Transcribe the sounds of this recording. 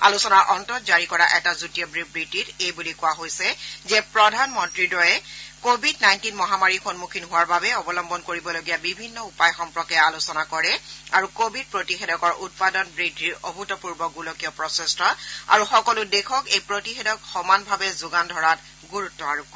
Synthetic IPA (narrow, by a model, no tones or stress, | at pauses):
a̰lusɔnaɹʔɔntɔt̚zaɹikɔɹaʔɛtazutijɔbɹibɹititejbulikʊwaɦojsɛzɛpɹɔdʱanmɔntɹidɔjɛkobʱidnajntinmɔɦamaɹixonmukʰinɦʊwaɹbabɛɔbɔlɔmbʱɔnkoɹibɔloɡijabibʱinːɔupajxɔmpɹɔkɛalusɔnakɔɹɛaɹukobʱid̚pɹotixedɔkɔɹʔut̚padɔnbɹitiɹobʱutɔpuɹbɔɡulokijɔpɹɔsɛstɔa̰ɹuxɔkɔlʊdekʰɔkejpɹotixedɔkxɔmanbʱabɛzuɡandʱɔɹat | ɡuɹutːɔaɹukːɔ